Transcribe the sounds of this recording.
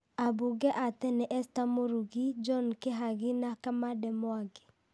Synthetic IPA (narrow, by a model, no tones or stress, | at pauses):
abuɡɛʔatɛnɛʔɛstamoɾuɡid͡ʒɔnkeɦaɡɪnakamadɛmwaɡɪ